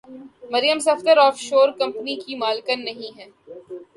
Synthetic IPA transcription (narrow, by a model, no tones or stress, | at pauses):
mɐɾijəmsɐft̪əɾɔːfʃoːɾkɐ̃mpnikimaːlkənːɐɦĩɦɛː